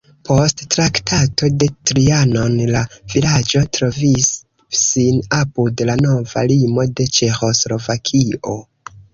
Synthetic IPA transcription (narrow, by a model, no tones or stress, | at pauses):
pʰo̞sttɾaktʰato̞de̞tɾiano̞nlavilad͡ʒo̞tɾo̞visː | inapudlano̞va̰limo̞de̞t͡ʃe̞xo̞slo̞vakʰiʔo̞